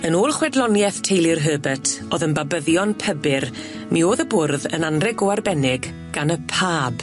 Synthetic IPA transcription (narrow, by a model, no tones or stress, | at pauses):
ənoːlˠχwɛdlˠɔnjɛθtʰejlˠɪrɦəːbətʰoːðənbabəðjɔnpʰəbɪr | mioːðəbʊrðə̰nanrɛɡoarbɛnɪɡ | ɡ̥anəpʰaːb̥